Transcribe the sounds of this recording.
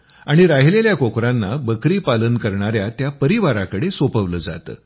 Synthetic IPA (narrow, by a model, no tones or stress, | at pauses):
aɽ̃iɾaɦileljakokɾanːabəkɾiːpalənkəɾɳaɾjat̪japəɾiʋaɾakəɽesopəʋləːd͡za̰t̪ə̰ː